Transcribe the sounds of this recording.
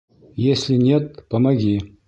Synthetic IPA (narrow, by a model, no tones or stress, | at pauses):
jesʲlʲinʲet̪̚pɐmɐɡʲi